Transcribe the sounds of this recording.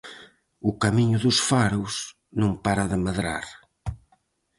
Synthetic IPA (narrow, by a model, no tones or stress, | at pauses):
ukɐmiɲuðusfaɾuz̥ | nɐ̃w̃paɾɐðɨmɐðɾa̰ɾ